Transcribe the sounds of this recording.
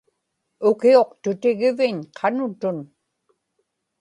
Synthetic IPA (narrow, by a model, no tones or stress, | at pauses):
ʊkio̞qt̪ʊt̪ɪɣɪvɪɲqʰɑnʊt̪ʊn